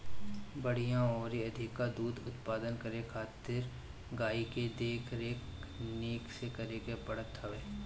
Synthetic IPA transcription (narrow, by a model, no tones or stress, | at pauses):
bəɽ̤ijãɔːɾiɐd̪ʱɪkːad̪uːd̪ʊt̪paːd̪ənkəɾekʰaːt̪ɪɾ | ɡaːiked̪eːkʰɾeːkniːksekɐɾekepɐɽ̤ət̪ɦɐʋeː